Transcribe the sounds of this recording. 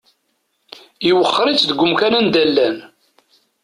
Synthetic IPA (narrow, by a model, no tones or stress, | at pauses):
iwəχːɾˤit͡sːd̪əɡʷːʊmkænænd̪ælːæn